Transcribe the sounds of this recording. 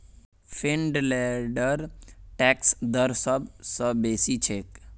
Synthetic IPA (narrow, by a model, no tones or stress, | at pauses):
fʰeɳɖlɛɖəɾʈɛksd̪əɾsəbsəbeːsit͡ʃʰek